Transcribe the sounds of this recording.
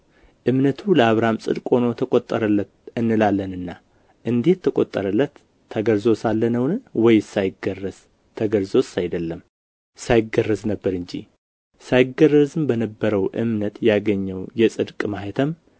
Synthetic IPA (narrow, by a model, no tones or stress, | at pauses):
ʔɨmnət̪ʰuləaβɾamsʼɨ̰d̪kʼo̞no̞t̪ʰəkʼot̪ʼːə̰ɾəlːət̪ɨnːɨlalːənɨnːa | ʔɨnd̪e̞t̪ʰːəkʼo̰t̪ʼːəɾəlːət̪ʰː | əɡəɾzo̞salːənəwnɨwɔjsajɪɡərːəz̥ | t̪ʰəɡəɾzo̞sajd̪əlːəm | sajɪɡərːəznəbːəɾɨɲd͡ʒḭ | sajɪɡərːəzɨmbənəbːəɾəwʔɨ̰mnət̪jaɡəɲːəwjɛsʼɨd̪kʼmaɦet̪ʰəm